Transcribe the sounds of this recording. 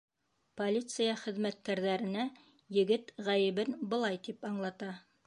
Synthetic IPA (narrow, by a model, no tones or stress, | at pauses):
polʲit̪sɨjɑχɘ̆ðmæt̪̚kæɾðæɾɘ̆næ | jɘ̆ɡɘt̪ʁæjɘ̆βɘnbɤ̆lˠɑjt̪ipɑɴlˠɑt̪ɑ